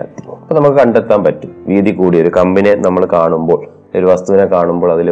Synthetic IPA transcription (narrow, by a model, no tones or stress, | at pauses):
t̪ːipoːnɐmukːɨkɐɳɖet̪ːaːmpɐtːuʋiːðikːuːɽio̞ɾukɐmbine̞nɐmːɐɭkaːɳumbo̞ːɭ | oɾuʋɐst̪uʋinekːaːɳumbo̞ːɭɐðil